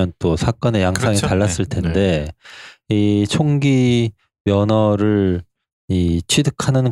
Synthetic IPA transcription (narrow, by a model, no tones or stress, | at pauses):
ʌnt͈osʰak͈ʌne̞jaŋs͈ʰaŋitaɭːas͈ɯɭtʰe̞nde̞ | it͡ɕʰoŋɡi | mjʌnʌɾɯɭ | it͡ɕʰɥidɯkʰanɯn